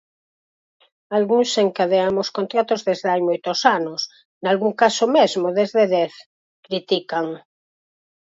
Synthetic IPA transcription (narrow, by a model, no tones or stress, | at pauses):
alɣuŋseŋkaðeamoskont̪ɾat̪ozðezðajmojt̪osanos | nalɣuŋkasomezmoðezðeðɛθ | kɾit̪ikaŋ